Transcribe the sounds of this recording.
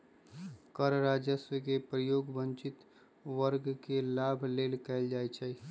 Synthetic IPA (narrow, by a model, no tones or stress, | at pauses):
kəɾɾad͡ʒjəswəkepɾəjoɡbənt͡ʃit̪ | ʋəɾɡkelabʱlelkɛɪld͡ʒajt͡ʃʰɛ